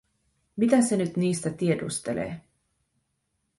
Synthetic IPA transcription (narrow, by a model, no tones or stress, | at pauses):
mit̪æsenyt̪niːst̪æt̪iedṵst̪elḛː